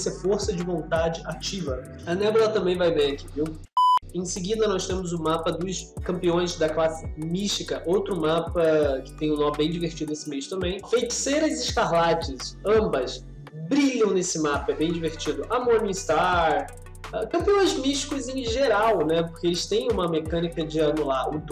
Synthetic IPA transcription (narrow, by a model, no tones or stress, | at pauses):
sɛfoɾsɐd͡ʒɪvõnt̪ad͡ʒɪʔat͡ʃivɐ | ɐnɛbolˠɐt̪ɐ̃mbẽj̃vajveɾaki̥viw | ẽj̃sɪɡid̪ɐnɔst̪ẽmʊzʊmapɐd̪ʊskɐ̃mpiõj̃zd̪ɐklasɪmiʃt͡ʃikɐʔowt̪ɾʊmapɐkɪ̥t̪ẽj̃ʊ̃nɔ̃mbẽj̃d͡ʒiveɾt͡ʃid̪ʊnesɪmejʃt̪ɐ̃mbẽj̃fejki̥seɾɐzɪʃkaɦlat͡ʃɪsɐ̃bɐs | bɾiʎɐ̃w̃nesɪmapɐɛbẽj̃d͡ʒiveɾt͡ʃid̪ʊʔamoɾnʊ̃ist̪aɾ | ɛkɐ̃mpiõj̃zmiʃt͡ʃi̥kʊzẽj̃ʒeɾawnɛpoɾkeelɪst̪ẽj̃ũmɐmekɐ̃nikɐd͡ʒɪɐnulaɾʊd̪